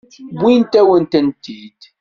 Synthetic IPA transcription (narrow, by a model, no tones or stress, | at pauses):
bint̪æwənt̪ənt̪id̪̥